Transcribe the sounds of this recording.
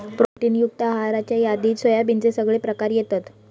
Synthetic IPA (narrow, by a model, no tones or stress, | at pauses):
pɾoʈiːnjuk̚t̪əɦaɾat͡ɕjajad̪iːsʋəjabint͡sesəɡɭepɾəkaɾjet̪at̪